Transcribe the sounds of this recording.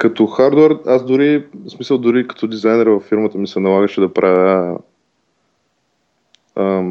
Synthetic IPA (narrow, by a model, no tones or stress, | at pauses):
kɐt̪oxaɾd̪ʊɛɾazd̪ʊɾismisəlˠd̪ʊɾikɐ̥t̪od̪izajnɛɾvɐfːiɾmət̪əmisɛnɐlˠaɡəʃɛd̪ɐpɾʔavə | ə